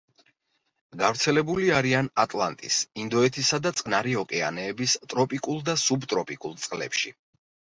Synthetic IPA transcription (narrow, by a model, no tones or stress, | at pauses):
ɡavɾt̪sʰɛlɛbuliaɾianat̪ʼlˠa̰nt̪ʼḭsind̪ɔɛt̪ʰisad̪at̪sʼkʼnaɾiɔkʼɛa̰nɛːbist̪ʼɾɔpʼikʼulˠd̪asubt̪ʼɾɔpʼikʼulˠt̪sʼqʼlɛ̰pʃi